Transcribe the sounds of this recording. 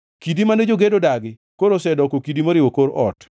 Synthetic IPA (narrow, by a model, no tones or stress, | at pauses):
kidimanɛd͡ʒoɡedodaɡɪ | koɾosɛdɔkokidimoɾɪwokoɾʔɔ̰t